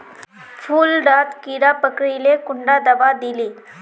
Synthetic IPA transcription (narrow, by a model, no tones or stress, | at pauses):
fʰuːlɖaːt̪kiːɾapəkɽilekʊɳɖad̪ɐbad̪iliː